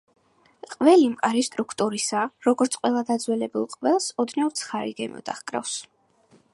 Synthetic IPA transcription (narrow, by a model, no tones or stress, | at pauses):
qʼvɛlimkʼaɾist̪ʼɾukʰt̪ʼuɾisaɾɔɡɔɾt̪sʰqʼwɛlˠad̪ad̪zwɛlɛbulˠqʼvɛlˠsɔd̪nɛvt̪sʰχaɾḭɡɛmɔ̰d̪a̰χkʼɾa̰fs